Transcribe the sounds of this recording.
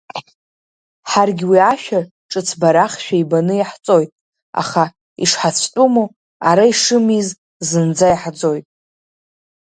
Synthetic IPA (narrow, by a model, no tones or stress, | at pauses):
ħarɡʲwiaʃᶣa | ʈ͡ʂʼɨt͡sʰbaɾaχʃᶣaibanɨaħt͡sʼo̞jtʼ | a̰χa | ḭʂħat͡sʷʰtʼumu | aɾaiʂɨmiz | zɨnd͡zajħd͡zo̞jtʼ